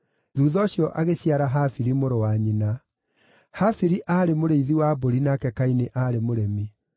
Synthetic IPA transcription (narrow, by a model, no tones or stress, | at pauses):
ðuːðɔɕjɔʔaɣesjaɾaɦafiɾimoɾowaɲina | hafiɾiʔaːɾemoɾeiðiwaboɾinakɛkaineʔaɾemoɾɛmi